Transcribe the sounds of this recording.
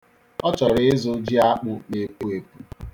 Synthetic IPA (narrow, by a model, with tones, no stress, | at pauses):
ɔ˦t͡ʃɔ˨ɾɪ˦ɪ˦zʊ˦d͡ʒi˦a˦k͡pʊ˦ne˨ku˦e˨ku˦